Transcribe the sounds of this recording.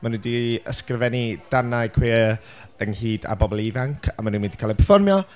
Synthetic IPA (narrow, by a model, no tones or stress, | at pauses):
manundiə̰skrəvɛnid̥anaɨkʰweː | ənhiːda̰bɔbɔlˠivaŋkʰa̰manũnmindi̥kʰalipʰərfɔrmjɔ